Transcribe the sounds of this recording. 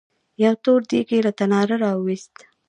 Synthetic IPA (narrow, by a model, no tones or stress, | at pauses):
jawt̪oɾd̪ikelat̪anɑɾaɾɑwist̪